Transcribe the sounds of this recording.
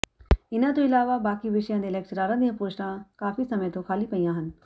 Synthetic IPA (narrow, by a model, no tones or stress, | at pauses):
ɪnãt̪̬oɪlaːʋabaːkiʋɪʃjãd̪elek̚ʈɾaːɾãnjəpoːʃɾãkaːfisɐməjt̪okʰaːlipɐijãːɦɐn